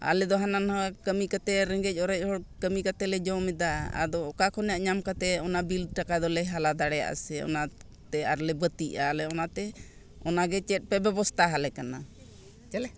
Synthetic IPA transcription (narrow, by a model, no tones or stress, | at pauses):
a̰lɛd̪ɔɦananhakəmikat̪ɛɾɛŋɡɛc̚ˀɔɾɛc̚ˀhɔɽkəmikat̪ɛlɛd͡ʒɔmɛd̪aa̰d̪ɔːkakʰɔnjaʔɲamkat̪ɛɔnabilʈakad̪ɔlɛɦalad̪aɽɛja̰ʔa̰sɛɔ̰na | t̪ɛaɾlɛbət̪iʔalɛɔnat̪ɛ | ɔnaɡɛt͡ʃɛt̪̚ˀpɛbɛbɔst̪ʰaɦalɛkana | l